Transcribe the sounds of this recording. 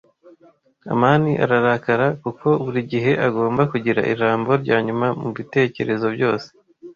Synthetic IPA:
a̰maːniʔa̰ɾaɾakaɾakukʰo̞βuɾiɟiɦe̞ʔaɡo̞ːmbakuɟiɾa̰ʔḭɾaːmbo̞ɾɟaːɲumamuβite̞ːce̞ɾe̞zo̞bɟo̞ːse̥

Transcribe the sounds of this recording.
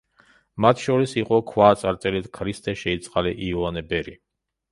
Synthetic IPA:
mat̪ʰʃɔɾisiqʼɔkʰwaːt̪sʼaɾt̪ʼɛlɛd̪kʰɾist̪ʼɛʃɛit̪sʼqʼalɛʔiɔanɛbɛɾi

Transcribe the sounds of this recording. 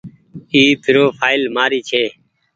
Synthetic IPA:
iːt̪ʰʊɾoːpʰaːɪlmaːɾiːt͡ʃʰeː

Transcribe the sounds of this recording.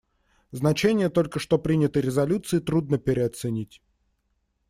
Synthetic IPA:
znɐt͡ɕenʲɪjət̪o̞lʲkəʂt̪o̞pɾʲinʲɪt̪əɾʲɪzɐlʲut̪sɨɪt̪ɾud̪nəpʲɪɾʲɪɐt̪sɨnʲitʲ

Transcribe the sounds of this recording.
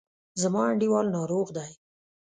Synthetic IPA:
zamɑaɳɖiwɑlnɑɾoɣd̪aj

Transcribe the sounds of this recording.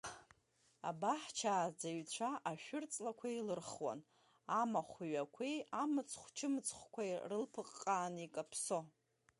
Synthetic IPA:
a̰baħt͡ʃʰaːd͡zaɥt͡ɕʷʰaʔaʃᶣʊrt͡sʼlakʷʰailɨrχwa̰n | amaχʷiɥakʷʰejamɨt͡sʰχʷt͡ʃʰɨmɨt͡sʰχʷkʷʰajrɨlpʰɨqʼːaːnikʼapʰso̞

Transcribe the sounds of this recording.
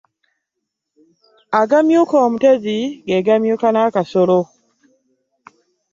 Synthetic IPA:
aɡamjukomuteziɡeɡamjukanakasolo

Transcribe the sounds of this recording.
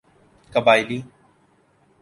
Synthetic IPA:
kəbaːɪliː

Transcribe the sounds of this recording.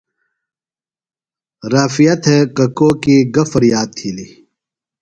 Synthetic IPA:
ɾaːfijɐt̪ʰekɐkoːkiɡɐfɐɾjaːd̪̚t̪ʰiːli

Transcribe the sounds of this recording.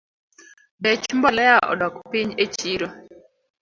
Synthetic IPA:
bɛt͡ʃmbɔlɛaʔɔ̰dɔkpiɲet͡ʃiɾo

